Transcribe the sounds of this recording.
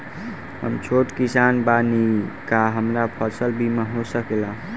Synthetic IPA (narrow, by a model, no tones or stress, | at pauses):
ɦə̰mt͡ʃʰoʈkisanbanikaɦəmɾapʰəsəlbʱimeɦosəkela